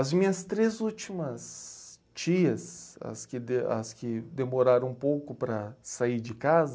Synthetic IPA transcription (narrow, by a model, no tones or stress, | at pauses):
ɐzmĩɲɐst̪ɾezut͡ʃimɐs | t͡ʃiɐsɐ̰skɪd̪eɐskɪd̪emoɾaɾɐ̃ũpowkʊpɾɐsaiɾd͡ʒɪkazɐ